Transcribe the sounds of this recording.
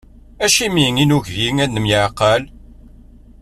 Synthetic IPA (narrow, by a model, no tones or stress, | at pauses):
æʃimiŋinuʝʝiŋænːəmjəʕqːəl